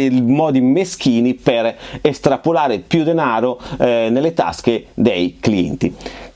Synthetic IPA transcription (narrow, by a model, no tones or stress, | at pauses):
mɔːd̪imesk̟iːnipeɾest̪ɾapolaːɾepjud̪enaːɾonelːet̪a̰sked̪ejkliɛ̰nt̪ḭ